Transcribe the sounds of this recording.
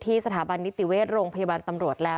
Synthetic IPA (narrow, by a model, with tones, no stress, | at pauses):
t̪ʰiː˥˩sa˧t̪ʰaː˩˦ba˧nːi˦˥t̪i˨˩weː˥˩t̪̚ɾoː˧ŋpʰa˧jaː˧baː˧nt̪a˧mɾu˨˩ət̪̚lɛː˦˥